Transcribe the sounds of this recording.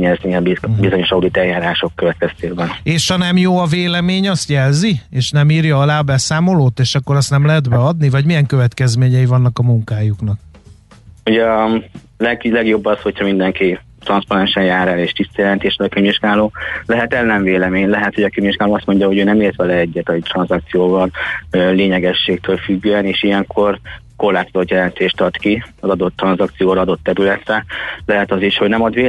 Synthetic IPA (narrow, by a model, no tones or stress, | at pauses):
ɲɛzniɛmbibizo̞ɲo̞ʃɒud̪it̪ɛljaːɾaːʃo̞kːøvɛt̪kɛst̪eːɡbɛneːʃhɒnɛmjoːɒveːlɛmeːɲɒst̪jɛlzieːʃnɛmiːrjɒɒlaːɒbɛsaːmo̞loːt̪eːʃɒkːo̞ɾɒst̪nɛmlɛɦɛd̪bɛɒd̪nivɒɟmijɛŋkøvɛt̪kɛzmeːɲɛivɒnːɒkɒmuŋkaːjuknɒk̚ | uɟɛ | lɛɡlɛɡjo̞bːɒsho̞chɒmind̪ɛŋki | t̪rɒnspɒnɛnʃɛnjaːɾɛleːʃt̪ist̪ɒjɛlɛnt̪eːʃɛlɒkiɲviʒɡaːloːlɛɦɛt̪ɛznɛɱveːlɛmeːɲlɛɦɛt̪ho̞ɟɒkimviʒɡaːloːɒst̪mo̞ɲɟɒɦo̞ɟøːnɛmeːrt̪ʋɛlɛɛɟːɛt̪ɒt̪rɒnzɒk̚t̪sijoːbɒnleːɲɛɡɛʃːeːkt̪øːlfyɡːøːɛneːʃijɛŋkʰo̞rko̞rlaːt̪sɒzot̪jɛlɛnt̪eːʃt̪ɒt̪kiɒzɒd̪o̞t̪ːrɒnzɒkt̪sijoːɾɒɒd̪o̞t̪ːɛɾylɛt̪rɛlɛɦɛt̪ɒziʃho̞ɟnɛmɒd̪ʋeː